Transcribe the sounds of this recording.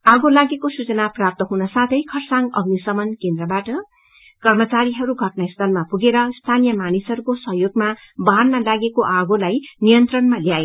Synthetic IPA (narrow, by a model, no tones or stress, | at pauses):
aɡolaɡekosut͡sʌnaprap̚t̪ʌɦunʌsat̪ʰʌjkʰʌrsaŋɡʌ̰ɡnisʌmʌnkend̪rʌbaʈʌ | kʌrmʌt͡saɾiɦʌɾuɡʱʌʈnaist̪ʰʌlmapuɡeɾʌst̪ʰanijʌmanisʌɾukosʌɦjoɡma | banmalaɡekoʔaɡolajnijʌnt̪rʌnmaljae